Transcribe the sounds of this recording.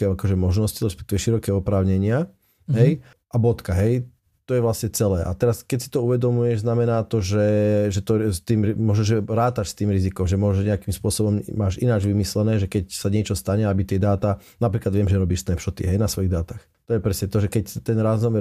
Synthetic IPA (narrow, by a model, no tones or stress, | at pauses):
ɛakɔʒɛmɔʒnɔsciɾɛspɛ̥k̚t̪iʋɛʃiɾɔkɛːɔpɾaːʊɲɛɲɪa | ɦɛj | ʔabɔt̪kaɦɛj | t̪ɔjɛʋlasɲɛt͡sɛlɛːʔa̰t̪ɛɾaskɛcsi̥t̪ɔuʋɛd̪ɔmujɛʒznamɛnaːt̪ɔʒɛʒɛt̪ɔst̪iːmɾimɔʒɛʒɛɾaːt̪aʃst̪iːmɾizikɔmʒɛmʊɔʒɛʒɲɛakiːmspʊɔsɔbɔmmaːʒinad͡ʒʋimislɛnɛːʒɛkɛcsaɲɪɛt͡ʃɔst̪aɲɛabit̪ɪɛd̪aːt̪anapɾiːklad̪ʋɪɛmʒɛɾɔbiːʃsnɛpʃɔt̪ḭɦɛjnasʋɔjiɣd̪aːt̪aːx | t̪ɔjɛpɾɛsɲɛt̪ɔʒɛkɛct̪ɛnɾaːznɔʋɛ